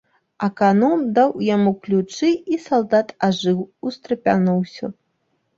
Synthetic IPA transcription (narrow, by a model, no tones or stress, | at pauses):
ɐkanɔmd̪awjamuklʲut͡ʂɨisalˠd̪at̪aʐɨwust̪ɾɐpʲa̰nɔwsʲɐ̰